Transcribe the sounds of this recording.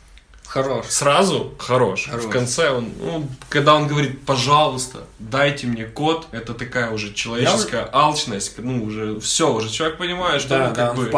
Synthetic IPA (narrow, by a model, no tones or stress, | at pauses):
ɐɾoʂsɾazʊxɐɾo̞ʂfkɐnt̪sɛo̞nṵkɐɡd̪ao̞nɡəvɐɾʲit̪̚pɐʐalˠʊst̪ə̰d̪ajtʲɪmnʲe̞ko̞t̪ɛt̪ət̪ɐkajəʊʐɛt͡ɕɪlˠɐvʲet͡ɕɪsskəjəʔalˠt͡ɕnəsʲtʲnuːʐɛfsʲoʊʐɛt͡ɕɪlˠʲek̚pənʲɪmajɪt̪ʂt̪obɨ